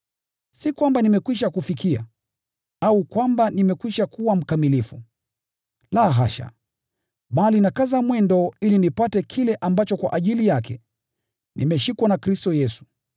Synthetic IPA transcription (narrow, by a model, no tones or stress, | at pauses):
sikwambanimɛkwiʃakufikia̰ | aukwambanimɛkwiʃakuwam̩kamilifu | laɦa̰ʃa̰ | ɓalinakazamwɛndɔilinipatɛkʰilɛʔambat͡ʃɔkwa̰ʔaʄilijakɛ̰ | nʔimɛʃikwanakɾistɔjɛsu̥